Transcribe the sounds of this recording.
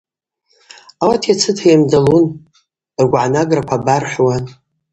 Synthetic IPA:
awatʰjat͡sʰɨtʰajamdalun | rɡʷʕanaɡrakʷʰabarħʷwan

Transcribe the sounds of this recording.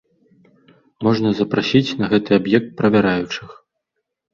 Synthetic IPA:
mɔʐnɐzɐpɾasʲit͡sʲnɐɣɛt̪ɨabjɛk̚t̪̚pɾɐvʲaɾajut͡ʂɨx

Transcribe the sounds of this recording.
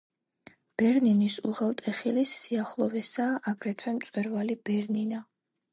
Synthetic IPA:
b̥ɛɾninisuʁɛlˠt̪ʼɛχilisːiaχlˠɔvɛsaːʔaɡɾɛt̪ʰwɛmt̪sʼwɛɾvalibɛɾnina

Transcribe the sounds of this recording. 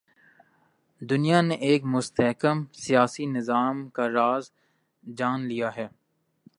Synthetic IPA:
d̪ʊnijaneʔeːkmʊst̪ɛɦkəmsijaːsinɪzaːmkaɾaːz | d͡ʒaːnlijaɦɛː

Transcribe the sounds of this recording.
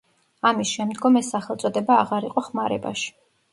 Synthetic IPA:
amisʃɛmd̪ɡɔmɛsːaχɛlˠt̪sʼɔd̪ɛbaːʁaɾiqʼɔχmaɾɛba̰ʃi̥

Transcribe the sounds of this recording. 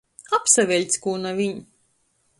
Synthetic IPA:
apsavʲɛlʲt̪skuːnavʲiɲ

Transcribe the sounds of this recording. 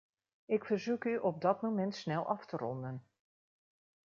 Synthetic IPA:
ɪkfərzukyʔɔp̚dɑtmomɛntsnɛlˠʔɑftərɔ̰ndən

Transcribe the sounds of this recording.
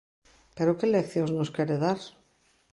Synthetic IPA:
peɾokelekθjonznoskjeɾeðaɾ

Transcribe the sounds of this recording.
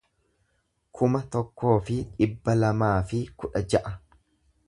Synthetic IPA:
kʰʊmɐt̪ɔkːo̞ːfɪᶑɪbːɐlɐmaːfɪkʊᶑɐd͡ʒɐʔɐ

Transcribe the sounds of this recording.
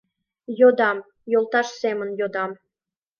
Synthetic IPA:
jod̪ɑm | jolˠt̪ɑʃsemə̆njod̪ɑm

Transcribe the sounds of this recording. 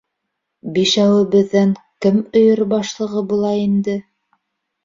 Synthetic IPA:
biʃæwɘ̆βɘ̆ðːæŋkɘmɵ̆jɤɾbɑʃlˠɤ̆ʁɤbulˠɑind̪ɘ

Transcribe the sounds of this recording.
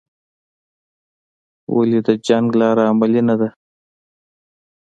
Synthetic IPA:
wa̰lid̪əd͡ʒaŋɡlɑːɾaːmalinad̪a

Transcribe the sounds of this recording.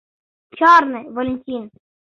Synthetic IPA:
t͡ʃɔɾnɨʋɔlʲɪnʲtʲin

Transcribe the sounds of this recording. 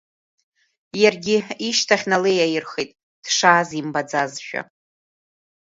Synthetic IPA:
jarɡʲɪiʃtʰaχʲnalejajɪrχejtʼ | d̥ʂaːzimbad͡zazʃᶣa̰

